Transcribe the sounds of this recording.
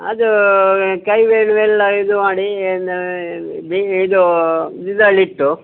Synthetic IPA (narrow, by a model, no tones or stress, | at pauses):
ɐ̰d̪ukɐjʋeːɳuʋɛlːɐid̪umaːɽin | biːd̪ud̪id̪ɐliʈːu